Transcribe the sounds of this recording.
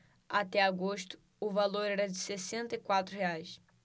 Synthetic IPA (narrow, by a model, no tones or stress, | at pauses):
at̪ɛaɡoʃt̪ʊ̥ | ʊvaloɾɛɾɐd͡ʒɪsesẽnt̪ɐikwat̪ɾʊheajs